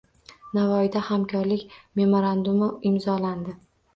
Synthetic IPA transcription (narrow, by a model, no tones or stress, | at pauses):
navɒɪd̪ahamkʲʰɒɾlɪkʲme̞moɾand̪ʊmɪɪmzɒland̪ɪ